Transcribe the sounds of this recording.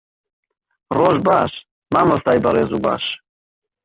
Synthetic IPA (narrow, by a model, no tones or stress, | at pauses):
rɔʒbaʃ | maməst̪ajbəɾɛzuba̰ʃ